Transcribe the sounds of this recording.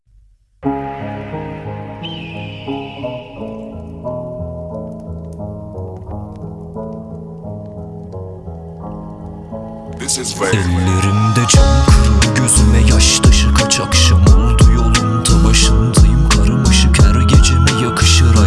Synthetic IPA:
ɛlːeɾimd̪ɛd͡ʒønkʰuɾuɟøzymɛjaʃt̪ʰɑʃɯkʰat͡ʃʰakʃɑmolˠd̪ujo̞lˠumd̪abaʃˠɯnd̪ʰɯjɯmkʰaɾɯmɯʃɯkʰæɾɟed͡ʒenɛjakʰɯ̥ʃɯɾa

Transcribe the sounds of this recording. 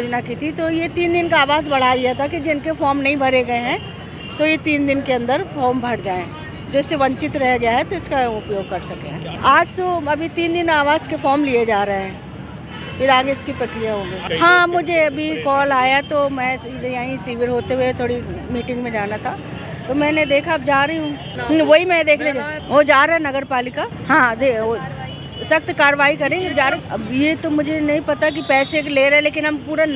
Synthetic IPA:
d͡ʒnakit̪ʰit̪ojet̪iːnd̪ɪnkaaːʋaːzbɐɽ̤alɪjat̪ʰakid͡ʒɪnkefɔːɾmnɐɦĩbʱɐɾeɡɐeɦɛ̃ | t̪ojet̪iːnd̪ɪnkeɐ̃nd̪əɾfɔːɾmbʱɐɽd͡ʒaːẽː | d͡ʒoːɪsːeʋɐ̃ɲt͡ʃɪt̪ɾɐɦaɡjaɦɛt̪oɪskaʊpjoːɡ̚kɐɾsɐkḛɦɛ̰̃aːd͡ʒt̪oɐbʱit̪iːnd̪ɪnaːʋaːzkefɔːɾmlied͡ʒaːɾɐɦeɦɛ̃ː | bɪɾaːɡeɪskipɾɐkɾijaɦõːɡeːɦãːmʊd͡ʒʱeɐbʱikɔːlaːjat̪omɛ̃ːɪd̪jaːĩsiːʋɪɾɦoːt̪eɦuet̪ʰoːɽi | miːʈɪ̃ŋɡmẽd͡ʒaːnat̪ʰa | t̪omɛ̃ːned̪eːkʰabd͡ʒaːɾɐiɦũː | ʋoɦimɛ̃d̪eːkʰned͡ʒaːʋod͡ʒaːɾɐɛ̃nɐɡəɾpaːlɪka | hãːd̪eo | sɐkt̪kaːɾəʋaːikɐɾẽːɡed͡ʒaːɾɐbjet̪omʊd͡ʒʱenɐɦĩpɐt̪ak̬ipɛːsekleːɾɐɛ̃leːkɪnɦɐmpuːɾa

